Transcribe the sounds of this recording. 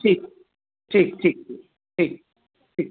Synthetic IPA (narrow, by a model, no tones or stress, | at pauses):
ʈʰiːk̚ | ʈʰiːk̚ʈʰiːk̚i | ʈʰiːk̚ | ʈʰik